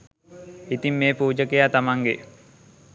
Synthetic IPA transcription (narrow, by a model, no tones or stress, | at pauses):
it̪imːeːpuːd͡ʒəkejat̪amaŋɡḛ